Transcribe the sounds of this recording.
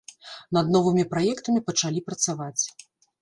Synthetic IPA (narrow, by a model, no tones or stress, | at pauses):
nɐd̪nɔvɨmʲipɾajɛkt̪ɐmʲipɐt͡ʂalʲipɾɐt̪savat͡sʲ